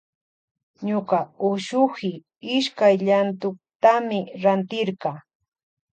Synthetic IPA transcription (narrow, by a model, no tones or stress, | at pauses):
ɲʊqaʊʃʊhɪ | ɪʃkajʎant̪ʊk̚t̪amɪɾant̪ɪɾɢɑ